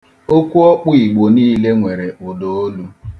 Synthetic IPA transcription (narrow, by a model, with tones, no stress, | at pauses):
o˦kʷu˦ɔ˦k͡pʊ˦i˨ɡ͡bo˨niː˦le˦ŋʷe˨ɾe˨ʊ˨do˨o˦lu˦